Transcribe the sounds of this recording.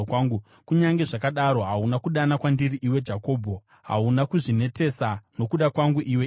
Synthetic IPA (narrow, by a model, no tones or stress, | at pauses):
aŋɡu | kuɲaŋɡe̞ʐakaɗaɾo̞ɦaunakuɗanakwandiriʔiwe̞d͡ʒako̞ːbʱo̞ | ɦa̰unakuʐine̞te̞sano̞kuɗakwaŋɡuʔiwe